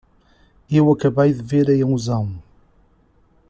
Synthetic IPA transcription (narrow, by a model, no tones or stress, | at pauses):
ewɐkɐβɐjðɨveɾɐjɐ̃uzãw̃